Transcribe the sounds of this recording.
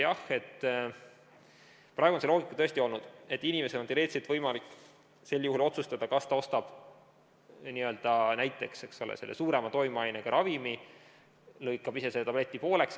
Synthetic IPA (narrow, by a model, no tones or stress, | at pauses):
jɑhe̞t̪ː | prɑeɡuonse̞lo̞ːɡikːˑɑt̪ɤ̞est̪io̞lnud̪̥e̞t̪ːinime̞se̥oniɾe̞ːt̪set̪vɤjmɑlikː | se̞lːjuhulo̞t̪sust̪ɑd̪ɑkɑst̪ɑo̞st̪ɑb̥ | niø̞ld̪̥ɑnæjt̪ˑːe̞kse̞kso̞lḛse̞lːḛsuːɾe̞mɑt̪o̞jmɑjneɡ̥ɑɾʔɑvimi | lɤjkːˑɑbise̞set̪ɑb̥le̞t̪ʲːˑipo̞ːle̞ks